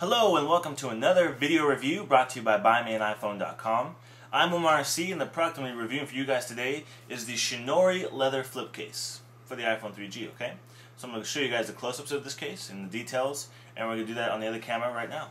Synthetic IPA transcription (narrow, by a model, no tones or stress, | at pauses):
həloʊə̃nwɛlˠkə̃m̩tʰəənʌðə˞vɪɾioʊɹɨvjʉbɹɔtʰɨɨbaɪbaɪ̃miɨ̃ñaɪfõʊ̃ndɑ̰t̚kʰɑ̃m | ʔãɪ̃məmɑɹsiɨ̃nðɨpʰɹ̥ɑksɨmɨɹɨvjʉɪ̃ŋfə˞jɨɡaɪz̥tʰɨdeɪ | ʔɨzðɨʃɨnɔɹilɛðə˞flɪp̚kʰeɪs | fə˞ðiaɪfõʊnθɹid͡ʒio̰ʊkʰeɪ | sɡʃoʊjɨɡaɪzðɨkʰl̥oʊsʌpsʌvðɪskʰeɪsɨ̃nðɨditʰeɪlˠz | ʔɨ̰̃nwɨ˞ɡɨnɨdɨðæɾn̩ðiʌðə˞kʰæmə˞əɹaɪtⁿnaʊ